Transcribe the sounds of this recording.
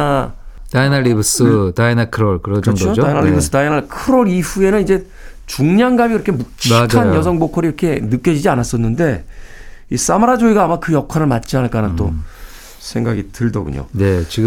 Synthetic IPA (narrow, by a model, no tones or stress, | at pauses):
a | tainaɭːibɯs͈ɯtainakʰɯɾoɭkɯɾʌkɯʌŋɡt͡ɕɡʌotoainaibɯsɯ̥dainaɭkʰɯɾoɾiɸue̞nɯnid͡ʑe̞ | t͡ɕuŋɲaŋɡamikiɾʌkʰe̞muk̚t͡ɕʰid͡ʑkʰanjʌs̬ʰʌŋbokʰʌɾiɾʌkʰe̞nɯk͈jʌd͡ʑid͡ʑianas͈ʌnːɯnde̞ | is͈amaɾad͡ʑoiɡaːmakɯjʌkʰwaɾɯɭmat̚t͡ɕ͈ianɯɭk͈anat͈o | sʰe̞ŋɡaɡitɯɭdʌ̰ɡṵɲo̰ne̞t͡ɕiɡ